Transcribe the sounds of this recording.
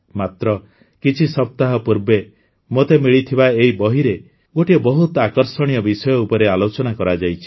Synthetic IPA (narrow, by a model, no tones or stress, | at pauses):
mat̪ɾɔ | kit͡ʃʰisɔp̚t̪aɦɔpuɾbe | mot̪emiɭit̪ʰibaeɦibɔɦiɾe | ɡoʈiebɔɦut̪akɔɾsɔɽ̃ijɔbisɔjɔupɔɾealot͡ʃɔnakɔɾad͡ʒajt͡ʃʰi̥